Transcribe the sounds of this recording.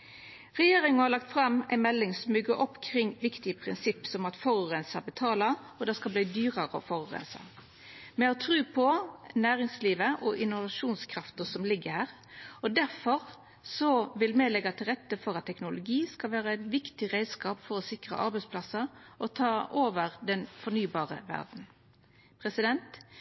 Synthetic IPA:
ʁɛjeːɾɪŋənhɑɾlɑk̚t̪fɾɑmæ̰ɪmɛlːɪŋsɔmbʏɡəɾɔpːkʰɾɪŋʋɪkt̪ɪəpʰʁɪnsɪpːsɔmɑt̪fɔɾʊʁɛnsɑbət̪ʰɑːlɑ | ɔd̪ɛskɑlbliːd̪yːʁəɾəɔ̰fɔɾʊʁɛ̰nsɑ̰ | mɛɔt̪ʰɾʉːpʰɔnæːʁɪŋsliːʋəʔɔʔɪnʊʋɑʂuːnskʰɾɑft̪əsɔmlɪɡːəɾhæːʁ | ɔd̪æɾfɔɾ | sɔʋɪlmɛlɛɡɑt̪ʰɪlʁɛt̪ːəfɔʁɑt̪ʰːɛknʊlʊɡiːskɑlʋæːʁəɛt̪ʋɪkt̪ɪʁæɪskɑːpfɔɾɔsɪkʁə̰ʔɑ̰ɾbɛɪspʰlɑsəɔt̪ʰɑːʔoːʋəʁd̪ɛnfɔnyːbɑːʁə̰ʋæ̰ʁd̪n̩ | pʰʁɛsɪd̪ɛnt̪

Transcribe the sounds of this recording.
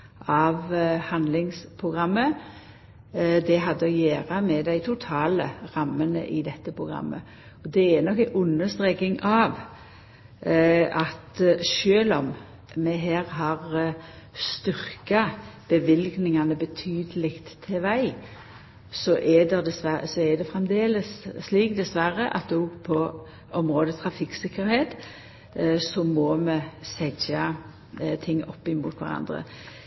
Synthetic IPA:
ɑʋhɑnd̪lɪŋspʰʁʊɡʁɑmːə | d̪ɛɦɑd̪ːəɔjæːɾɑmɛd̪æɪt̪ʰʊt̪ʰɑːləʁɑmːənə̰ʔɪd̪ɛt̪ːəpʰʁʊɡʁɑ̰mːə̰ | ɔd̪ɛɛɾnɔkːæʔʊnːəst̪ɾeːkɪŋɑʋ | ʔɑt̪ʃøːlɔm | mɛɦæːɾɦɑʁ | st̪ʏɾkɑb̥əʋɪlɡnɪŋɑnəbət̪ʰyːd̪əlɪkt̪t̪ʰːeʋæɪ | sɔʔɛd̪ɛd̪ɛsʋæsɔɛd̪ɛfɾɛmd̪eːləsːliːkd̪ɛsʋæɾəʔɑ̰t̪̚ɔɡpʰɔ | ʔɔmɾoːd̪ət̪ʰɾɑfɪksɪkːəɾheːt̪ | sɔmɔmɛsɛd͡ʒɑ | t̪ʰɪŋːɔ̰pːɪmuːt̪ʰʋæ̰ɾɑ̰nd̪ɾə̰

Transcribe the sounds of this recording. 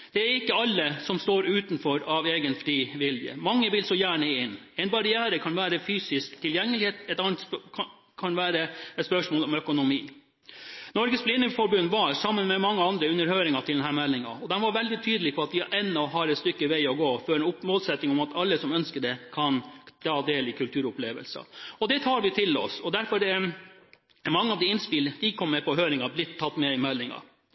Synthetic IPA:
d̪̥ɛæɾɪkːəɑlːəsɔmst̪oːɾʉːt̪n̩fɔɾɑʋeːɡənfɾiːʋɪljə̰mɑŋːəʋɪlsɔjæːɳəɪn | ɛɪnbɑɾɪæːɾəkʰɑnʋæːɾəfyːsɪskt̪ʰːɪljɛŋːəlɪheːt̪ɛt̪ɑnət̪s | kʰɑnʋæːɾəɛt̪spœʂmoːlɔmœkʊnʊmiː | nɔɾɡəsblɪnːəfɔɾbʉnːʋɑɾsɑmːənmɛmɑŋːəɑnd̪ɾəʉnːəɾhøːɾɪŋɑt̪ʰɪld̪ɛnɦæːɾmɛlːɪŋɑ̰ɔd̪ɛnʋɑɾʋɛld̪ɪt̪ʰyːd̪əlɪpʰɔɑt̪̚d̪ɪʔɛnːɔɔɦɑːɾɛt̪st̪ʏkːəʋæɪɔɡoːfɔɾɛnʊmoːlsɛt̪nɪŋɔmɑt̪ɑlːəsɔmœnskəɖɛkʰɑnt̪ʰɑːd̪eːlɪkʉlt̪ʰʉːɾʊpleːʋə̰lsɑ̰ɔd̪ɛt̪ʰɑːɾʋɪt̪ʰɪlɔ̰sɔd̪æɾfɔɾɖɛ | mɑŋːəɑʋd̪ɪɪnspɪld̪ɪkʰɔmːɛpʰɔɦøːɾɪŋɑblɪt̪ʰːɑt̪ːmɛɪmɛlːɪŋɑ̰

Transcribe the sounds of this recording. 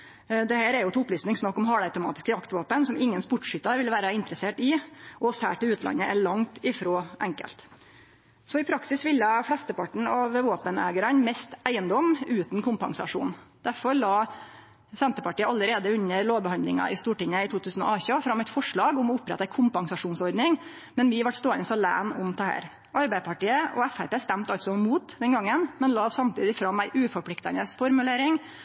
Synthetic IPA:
d̪ɛhæːɾɛɾjʊt̪ʰːʊplyːsnɪŋsnɑkːɔmɦɑːɽɑʉt̪ʊmɑ̰ːt̪ɪskəjɑkt̪ʋoːpənsɔmɪŋːənspʊʈʂʏt̪ːɑɾʋɪlʋæːɾəɪnt̪ɾəseːʈɪʔɔshæ̰ːʈɪlʉːt̪lɑ̰nːəʔæɭɑŋt̪ɪfɾoːʔɛŋkə̰lt̪ | sɔɪpʰɾɑksɪsʋɪljəfɽɛst̪əpɑʈɳ̩ɑʋʋoːpənæ̰ːɡəɾənmɛst̪ʔæɪənd̪ɔmːʉːt̪nkʰʊmpɑ̰ŋsɑ̰ʂṵːn | d̪̥æɾfɔɾlɑː | sɛnt̪əpɑʈiːəɑlːəɾeːd̪əʉɲːəɾloːʋbəhɑnd̪lɪ̰ŋɑ̰ʔɪst̪uːʈɪŋːəɪt̪ʰuːt̪ʉːsən̩ɔ̰ɑːçɑfɾɑmːæɪt̪fɔʂɭɑːɡɔmɔʊpɾɛ̰t̪ækʰʊmpɑŋsɑʂuːnsɔɾd̪nɪŋ | mɛnʋɪʋɑʈst̪oːənəsɑlæ̰ːnʊmt̪ʰəhæ̰ːɾ | ʔɑɾbæɪpʰɑʈiːəʔɔ̰æfæɾpeːst̪æmt̪ɑlsɔmuːt̪d̪ɛnɡɑŋːənmɛnlɑːsɑmt̪ʰiːd̪ɪfɾɑmæɪʔʉːfɔɾpʰlɪkt̪ɑ̰nəsfɔɾmʉleːɾɪŋ

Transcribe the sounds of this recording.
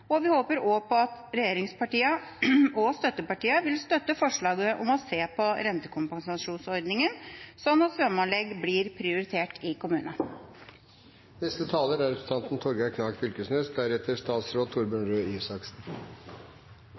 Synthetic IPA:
ɔʋɪhoːpəɾoːpʰɔɑt̪ɾɛjeːɾɪŋspʰɑʈiːəɔst̪œt̪ːəpɑʈiːəʋɪlst̪œt̪ːəfɔʂɭɑːɡəʔɔmɔseːpʰɔɾɛnt̪əkʰʊmpɑŋsɑʂuːnsɔɾɖ̪nɪŋənsɔnːɑt̪fɾɑmɑnlɛɡblɪɾpʰɾɪʊɾɪt̪ʰeːʈʰɪkʊmʉːnɑ | nɛst̪ət̪ʰɑːləɾæɾɛpt̪ʰɑnt̪n̩t̪ʰɔɾɡɑkʰnɑːkfʏlkəsnɛsd̪æɾɛt̪ʰːəʂt̪ɑːt̪sɾoːt̪ʰːʊɾbənɾøːsɑksn̩

